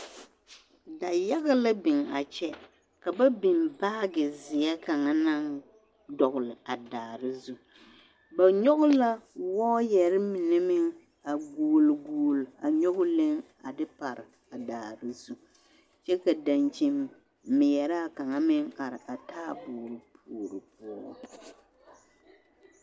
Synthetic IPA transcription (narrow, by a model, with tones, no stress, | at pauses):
da˨ja˦ɣa˦la˦bɪ˨ŋa˨t͡ʃɛ˦ | ka˨ba˦bɪ˨mbaː˦ɡɪ˨zɪ˨jɛ˦ka˨ŋa˦na˦ŋ | dɔ˨ɣʊ˨lɪ˨a˨daː˨ɾɨ˦zu˦ | ba˨ɲo˦ɣʊ˦la˦wɔː˦jɛ˨ɾɪ˦mɪ˨nɛ˦mɪ˦ŋ | a˨ɡuː˨lɡuː˨la˨ɲo˦ɡʊ˦lɪ˦ŋ | a˨dɪ˦pa˨ɾɪ˨ | a˨daː˨ɾɨ˦zu˦ | t͡ʃɛ˦ka˨da˨nt͡ʃi˨mː | ɪ˨jɛ˨ɾa˦˨ka˨ŋa˦mɪ˦ŋa˨ɾɪ˨ʔa˨taː˦bʊː˨ɾɨ˨pʰuː˨ɾɨ˨p̚ʊ˦